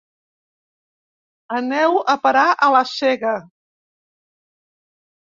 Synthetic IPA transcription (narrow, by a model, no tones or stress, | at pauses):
ənɛwəpəɾaʔələsɛɣə